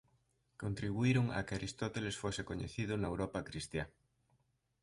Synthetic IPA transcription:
kont̪ɾiβuiɾoŋa̰kaɾist̪ɔt̪elesfosɪkoɲḛθiðʊnɐewɾɔpakɾist̪ja

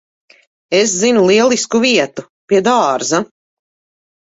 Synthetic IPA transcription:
eszinulˠiɛlˠiskuviɛt̪u | piɛd̪aːɾza

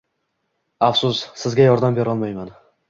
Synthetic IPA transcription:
afsʊssɪzɡʲajɒɾd̪ambeɾɒlˠmajman

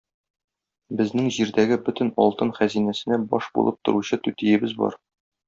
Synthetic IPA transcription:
bɘ̆znɘŋʑiɾd̪æɡɘbɵ̆t̪ɘ̆nɒ̰lˠt̪ɤnχæzinæsɘ̆næbɒʃbṵlˠɤp̚t̪ŏɾuɕɤt̪ʉt̪ijɘ̆bɘzbɒ̰ɾ

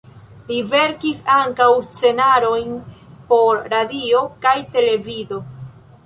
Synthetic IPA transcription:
live̞ɾkisaŋkawst͡se̞naɾo̞jnpo̞ɾɾadio̞kajte̞le̞vizo̞

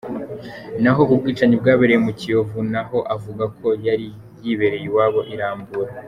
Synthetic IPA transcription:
naɦo̞ubɡiːt͡ʃaɲib̚ɡaːβeɾejemucijo̞vunaɦo̞ʔavuɡakʰo̞jaɾi | jiβe̞ɾejiwaːβo̞ʔiɾaːmbuɾa

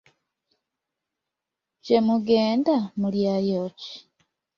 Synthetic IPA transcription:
ce̞muɡeːndamuljajoːci̥

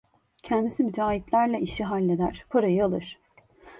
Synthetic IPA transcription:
cʰɛnd̪isimyd͡ʒ̪aːɦit̪lʲæɾlʲɛʔiʃiɦalʲːed̪æɾ̥pʰaɾajɯalˠɯɾ̥

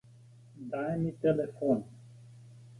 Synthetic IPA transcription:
d̪aɛmit̪ɛlɛfɔni

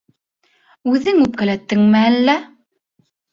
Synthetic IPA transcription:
ʉðɘŋʉp̚kælæt̪ːɘŋmæælːæ

